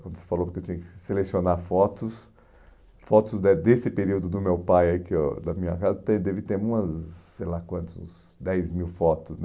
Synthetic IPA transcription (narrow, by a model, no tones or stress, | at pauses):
kwɐ̃nd̪ʊse̥falowpʊɾkewt͡ʃʲĩɲɐkɪ̥ɪselesionaɾfɔt̪ʊs | fɔt̪ʊzd̪ɛd̪esɪpeɾiwd̪ʊd̪ʊmewpajaikɪod̪ɐmĩɲɐ̰kazɐt̪ẽd̪ɛvɪt̪eɾũmɐssejlakwɐ̃nt̪ʊz | d̪ɛjzmiwfɔt̪ʊsn